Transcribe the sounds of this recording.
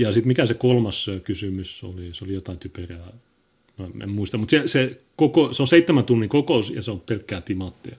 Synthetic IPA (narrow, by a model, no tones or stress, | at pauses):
jɑsit̪mikæsekolmɑskysymyso̰lisolijot̪ɑˑint̪ypørjæˑ | noḛmmuist̪ɑmut̪sese | kokoseoseit̪ːemænt̪unːikokousjɑ̰seompelkːæːt̪imɑt̪ːiɑ